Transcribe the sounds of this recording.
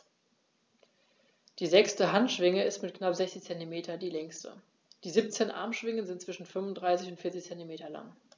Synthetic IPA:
d̥iːzɛkstəɦantʃv̥ɪŋəɪstmɪtknapz̥ɛçt͡sɪçt͡sɛntimeːtʰɐdiːlɛŋstə̰ | d̥iːzip̚t͡seːnʔa̰ɐmʃv̥ɪŋənzɪnt̚t͡sv̥ɪʃn̩fʏmvʊnd̥ʁaɪsɪçʊntfɪɐt͡sɪçt͡sɛntimeːtʰɐla̰ŋ

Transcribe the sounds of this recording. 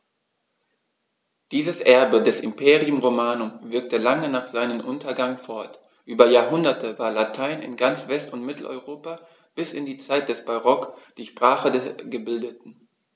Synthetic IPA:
d̥iːzəsʔɛɐbədɛsɪmpʰeːʁiʊmʁomaːnʊmvɪɐk̚təlaŋənaːχz̥aɪnəmʔʊntɐɡaŋfɔɐt | ʔyːbɐjaːɐɦʊndɐtʰəvaːɐlatʰaɪnɪ̰nɡant͡sv̥ɛstʊntmɪtl̩ʔɔ̰ʏʁoːpa | b̥ɪsɪndiːt͡saɪt̚d̥ɛsb̥aʁɔkd̥iːʃpʁ̥aːχədɛsɡ̥əbɪldətn̩

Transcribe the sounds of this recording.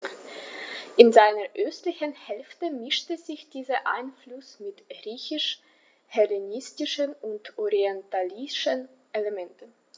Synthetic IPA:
ʔɪnzaɪnɐʔœstlɪçənhɛlftəmɪʃtəzɪçd̥iːzɐʔa̰ɪnflʊsmɪtʁiːçɪʃ | hɛlenɪstɪʃənʊntʔɔʁiɛntaliʃən | ʔelemɛntən̩

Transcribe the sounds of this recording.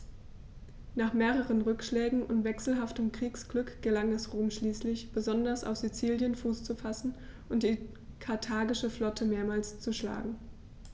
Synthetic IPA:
naːχmeːʁəʁ̞ənʁʏkʃlɛːɡŋ̩ʔʊ̰ntv̥ɛksl̩ɦaftəmkʁ̥iːksɡ̥lʏkɡ̥əlaŋɛsʁoːmʃliːslɪçb̥əzɔndɐsa̰ʊfz̥it͡siːljənfuːst͡sufasn̩ʔʊntd̥iː | kʰaɐtʰaːɡɪʃəflɔtʰəmeːɐmaːlst͡suʃla̰ːɡŋ̩

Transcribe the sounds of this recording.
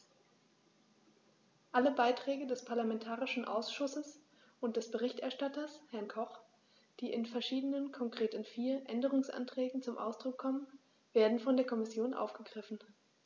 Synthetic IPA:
ʔaləbaɪtʁ̥ɛːɡədɛspʰaɐlamɛntʰaːʁ̞ɪʃn̩ʔa̰ʊsʃʊsəs | ʔʊnt̚d̥ɛsb̥əʁ̞ɪçtɛɐʃtatɐshɛɐnkʰɔχ | d̥iːɪnfɛɐʃiːdənənkʰɔŋkʁ̥eːtɪnfiːɐʔɛndəʁ̞ʊŋsʔa̰ntʁ̥ɛːɡŋ̩t͡sʊmʔa̰ʊsd̥ʁ̥ʊkʰːɔmən | veːɐdn̩fɔndeːɐkʰɔmɪsjoːnʔa̰ʊfɡ̥əɡʁɪfn̩

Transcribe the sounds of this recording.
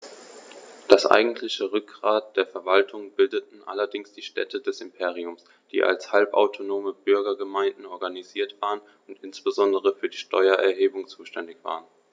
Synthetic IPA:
d̥asʔa̰ɪɡŋ̩tʰlɪçəʁʏk̚ɡ̥ʁaːt̚d̥eːɐfɛɐvaltʰʊŋbɪldətn̩ʔa̰lɐdɪŋsd̥iːʃtɛ̰tʰədɛsɪmpʰeːʁ̞iʊms | d̥ḭːʔa̰lshalpʔa̰ʊtʰonoːməb̥ʏɐɡɐɡəmaɪndn̩ɔɐɡaniziːɐtv̥aːʁən | ʊntʔɪnsb̥əzɔndəʁəfyːɐdiːʃtʰɔʏɐʔɛɐɦeːbʊŋt͡suːʃtɛndɪçv̥a̰ːʁən

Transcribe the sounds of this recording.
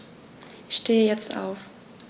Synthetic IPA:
ʔɪçʃteːəjɛt͡stʔa̰ʊf

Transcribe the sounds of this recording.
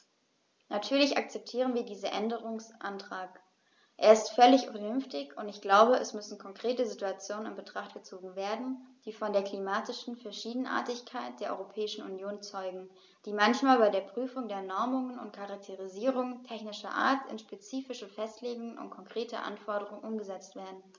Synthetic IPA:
natʰyːɐlɪça̰k̚t͡sɛp̚tʰiːʁ̞ənviːɐdiːzəʔɛndəʁʊŋsʔantʁ̥aːk | ʔeːɐɪstfœlɪçɛnʏnftɪçʊntɪçɡ̥laʊbəʔɛsmʏsn̩kʰɔŋkʁ̥eːtəzituat͡sjoːnənɪnbətʁ̥aχtɡ̥ət͡soːɡŋ̩veːɐdn̩d̥iːfɔndeːɐkl̥imaːtɪʃn̩fɛɐʃiːdn̩ʔa̰ɐtɪçkʰaɪt̚d̥eːɐʔɔʏʁopʰɛːɪʃn̩ṵnjoːnt͡sɔʏɡŋ̩ | d̥iːmançmaːlbaɪdeːɐpʁ̥yːfʊŋdeːɐnɔɐmʊŋənʊ̰ntkʰaʁak̚tʰeʁiziːʁ̞ʊŋtʰɛçnɪʃɐʔa̰ːɐtɪ̰nʃpet͡siːfɪʃəfɛstleːɡʊŋənʊ̰ntkʰɔŋkʁ̥eːtəʔa̰nfɔɐɾəʁʊŋnʔʊmɡəzɛt͡stv̥eːɐdn̩

